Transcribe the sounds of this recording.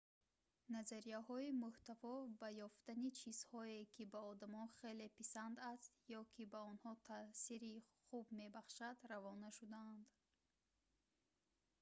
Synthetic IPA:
nazaɾijahɔimuht̪avɔbajɔft̪anit͡ʃʰizhɔe̞kʰibaɔd̪amɔnχe̞le̞pisand̪ast̪jɔkʰibaɔnhɔt̪ʰasiɾiχubme̞baχʃad̪ravɔnaʃud̪aːnd̪

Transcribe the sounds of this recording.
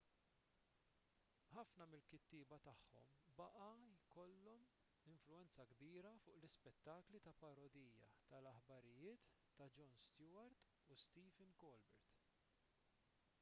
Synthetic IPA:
ħɐfnɐmɪlkɪt̪ːiːbɐt̪ɐħːɔ̰mbɐʔɐjkɔlːɔm | ɪɱflʊɛnt͡sɐɡbiːɾɐfʊːʔlɪspɛt̪ːɐklit̪ɐpɐɾɔd̪iːjɐ̰t̪ɐlɐħbɐɾɪjɪːt̪ː | ɐd͡ʒɔnst̪jʊːɐɾt̪ | ust̪iːvɛnkɔlbɛɾt̪

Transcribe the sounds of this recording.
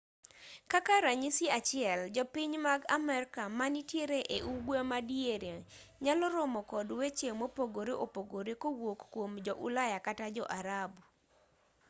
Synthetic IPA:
kakaɾaɲisiat͡ʃɪɛld͡ʒɔpiɲmaɡamɛɾkamanitjeɾeʔeʔuɡwamadjeɾeɲalɔɾɔmɔkɔdwet͡ʃemopoɡoɾeʔopoɡoɾekowokːwomd͡ʒɔʔulajakatad͡ʒɔ̰ʔaɾabu

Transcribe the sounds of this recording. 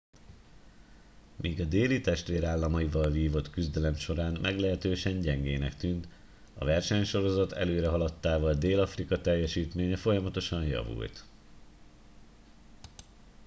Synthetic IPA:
miːɡɒd̪eːlit̪ɛʃt̪ʋeːɾaːlːɒmɒjivɒlviːvo̞t̪kyzd̪ɛlɛmʃo̞ɾaːnmʔɛɡlɛɦɛt̪øːʃɛɲɟɛŋɡeːnɛkt̪yːnt̪ | ɒ̰vɛrʃɛɲʃo̞ɾo̞zɒt̪ʰɛ̰løːɾɛɦɒlɒt̪ːaːvɒld̪eːlɒfrikɒt̪ɛjːɛʃiːt̪meːɲɛfo̞jɒmɒt̪o̞ʃɒɲjɒ̰vṵlt̪

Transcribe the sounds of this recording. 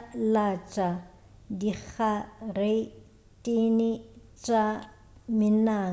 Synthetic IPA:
lat͡ʃʼa | dik͡xare | tʼinɪ | t͡ʃʼa | mɪnaː

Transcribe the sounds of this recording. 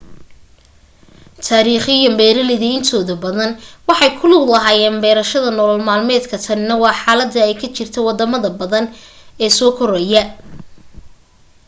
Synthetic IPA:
t̪ʰaːɾiːχɪjɐmbɛːɾɐlɪðɐɪnt̪ʰɔːðɐbɐðɐnwɑħɑjkʰʊluwlɐɦaːjɛːnbɛːɾɐʃɐðɐnɔlɐlmaːlmɛːd̪kʰɐt̪ʰɐnɪnɐwɑːħɑːlɐd̪ːɐɛjkʰɐt͡ʃɪrt̪ʰɛwɑd̪ɐmɐðɐbɐðɐn | ɛːsɔːkʰɔɾɛjɐ

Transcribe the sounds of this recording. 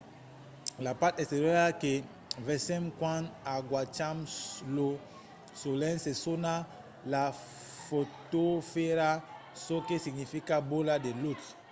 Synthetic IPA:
lapaɾt̪est̪eɾjoɾake | vesẽmkwãnaɡwat͡ʃamuslo | solẽnsesona | la | fot̪ofeɾa | sokesiɡnifikaboladelut̪

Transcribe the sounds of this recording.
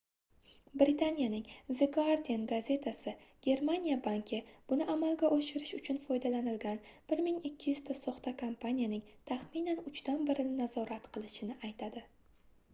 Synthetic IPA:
bɾɪt̪ʰanijanɪŋzeɡaɾd̪ʲienɡaze̞t̪ʰasɪɡ̥ʲe̞ɾmanijabaŋkʲʰɪb̥ʊnɪʔamalˠɡʲaʔɒʃɪɾɪʃʊt͡ʃʰʊnfɒjd̪alanɪlɡʲanb̥ɪɾmɪŋɪkʲʰːɪjʏz̥t̪ʰasɒχt̪ʰakʰompʰanijanɪŋt̪ʰaχminanʊt͡ʃt̪anbɪɾɪnɪnazɒɾat̪qʰɨlˠɪʃɪnɪʔajt̪ʰad̪ɪ

